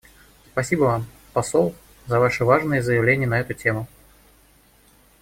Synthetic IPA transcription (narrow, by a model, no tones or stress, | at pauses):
spɐsʲibəvam | pasɔlˠ | zɐvaʂɨvaʐnɨjəzəjɪvlʲenʲɪjənɐɛt̪ʊt͡sʲemʊ